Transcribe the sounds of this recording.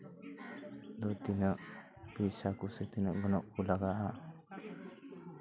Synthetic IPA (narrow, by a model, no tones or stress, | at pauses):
d̪ɔt̪inəʔ | pisakuset̪inəʔɡɔnɔʔkulaɡaʔa